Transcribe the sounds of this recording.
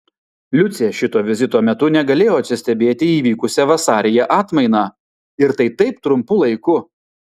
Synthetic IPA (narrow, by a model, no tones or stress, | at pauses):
lʲʊt̪sʲeːʃʲɪt̪oːʋʲɪzʲɪt̪oːmʲɛt̪ʊnʲɛɡɐlʲeːjoːɐt̪ʲsʲɪsʲt̪ʲɛbʲeːt̪ʲɪiːʋʲiːkʊsʲɛʋɐsɑːɾʲɪjɛʔɑːt̪mɐɪnɑː | ɪɾt̪ɐɪt̪ɐɪpt̪ɾʊmpʊlˠɐɪkʊ